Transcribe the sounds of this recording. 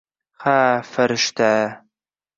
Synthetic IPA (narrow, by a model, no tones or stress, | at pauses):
χaːfɐɾʃt̪ʰæː